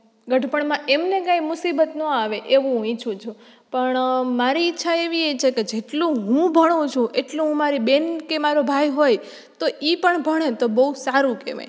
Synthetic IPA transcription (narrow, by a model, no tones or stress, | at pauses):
ɡəʈpəɳmãʔemnekãimʊsibət̪nɔ̃aʋeʔeʋũɦũit͡ʃʰũt͡ʃʰũ | pəɳmaɾiɪtːʃʰaeʋiet͡ʃʰeked͡ʒeʈlũɦũbʱəɽ̃ũt͡ʃʰũʔeʈlũɦũmaɾibenkemaɾobʱajɦoj | t̪oʔipəɳbʱəɽ̃et̪obəusaɾũkḛʋḛ̃